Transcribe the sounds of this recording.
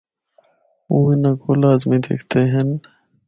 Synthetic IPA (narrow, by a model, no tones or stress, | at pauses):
uinɐkolaːzmid̪ḛkʰt̪ʰeɦɐn